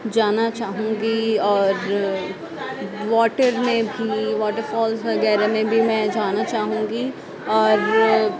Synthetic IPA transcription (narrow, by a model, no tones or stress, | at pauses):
d͡ʒaːnat͡ʃaːɦũːŋɡiɔːɾ | ʋɔːʈəɾmẽbʱiʋɔːʈəɾfɔːlzʋɐɡɛːɾemẽbʱimɛ̃ːd͡ʒaːnat͡ʃaːɦũːŋɡi | ɔːɾ